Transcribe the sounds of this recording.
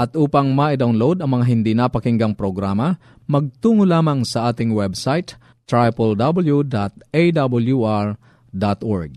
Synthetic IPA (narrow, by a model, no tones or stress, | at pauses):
ʔɐt̪ʔuːpɐŋmaʔɪd̪awnlowd̪ɐŋmɐŋaɦɪnd̪inapɐkɪŋɡɐŋpɾoɡɾaːmɐ | mɐɡ̚t̪uːŋʊlaːmɐŋsɐʔaːt̪ɪŋwɛbsajt̪ː | ɹajpɐld̪abɐljud̪at̪̚ejd̪abɐljuʔaɹ | d̪at̪ʔoɹɡ̚